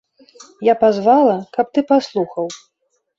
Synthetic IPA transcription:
japazvalˠɐkɐp̚t̪ɨpaslˠuxɐw

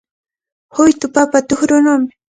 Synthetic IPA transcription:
hʊjt̪ʊpapat̪ʊxɾʊnʊːmɪ

